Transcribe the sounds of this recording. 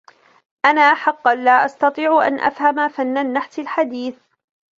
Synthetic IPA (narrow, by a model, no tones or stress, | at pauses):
ʔanaːħɑqːɑnlaːʔɑst̪ɑt̪ˤiːʕʔa̰nʔa̰fhamafanːanːaħt̪alħad̪iːθ